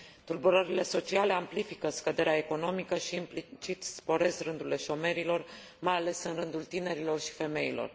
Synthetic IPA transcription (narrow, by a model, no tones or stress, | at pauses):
t̪urbuɾəɾile̞so̞t͡ʃiale̞amplifikəskəd̪e̞ɾeae̞ko̞no̞mikəʃiːmplit͡ʃit̪spo̞ɾe̞sɾɨnd̪ule̞ʃo̞me̞ɾilo̞r | majale̞sɨnɾɨnd̪ult̪ine̞ɾilo̞rʃi̥fe̞me̞ilo̞̰r